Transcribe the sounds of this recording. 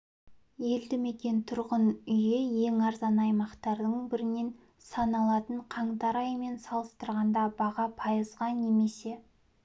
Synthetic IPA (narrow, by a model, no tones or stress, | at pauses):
je̞ld̪ɪme̞kʲe̞nt̪ʰʊɾʁənʏjeje̞ŋɑɾzɑnɑjmɑqt̪ɑɾd̪əɴbɪɾɪne̞n | sɑnɑlˠɑt̪əɴqʰɑɴt̪ɑɾɑjme̞nsɑlˠəst̪əɾʁɑnd̪ɑbɑʁɑpʰɑjəzʁɑne̞me̞se̞